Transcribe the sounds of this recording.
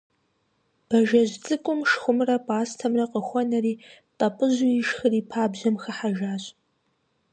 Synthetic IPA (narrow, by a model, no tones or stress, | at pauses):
b̥ɐʒɐʑt͡sʼɨkʷʼʊmʃxʷʊmrɐpʼaːstʰɐmrɐqəxʷɔnɐriː | tʼɐpʼɨʑʊjɪʃxɨriːpʰaːbʑɐmxɐħaʒaːɕʼ